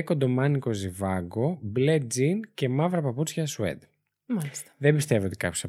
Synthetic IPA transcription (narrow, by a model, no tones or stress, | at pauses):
kod̪o̞mɐniko̞zivɐɡo̞ble̞d͡zince̞mɐvɾɐpɐput͡sçɐsuḛd̪ | mɐlisðembist̪e̞vio̞t̪ikɐpçosɐ